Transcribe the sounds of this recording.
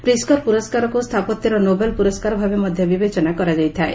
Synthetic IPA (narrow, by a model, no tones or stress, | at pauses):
pɾiskɔɾpuɾɔskaɾɔkust̪ʰapɔt̪jɔɾɔnobelpuɾɔskaɾɔbʱabemɔd̪ʱjɔbibet͡ʃɔnakɔɾad͡ʒajt̪ʰae